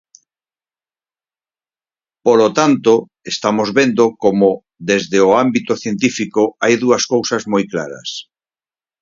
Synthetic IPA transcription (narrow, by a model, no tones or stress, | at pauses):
polot̪ant̪o | est̪amozβend̪okomo | d̪ezðeoambit̪oθjent̪̬ifikoajðuɐskowsɐzmojkla̰ɾɐ̰s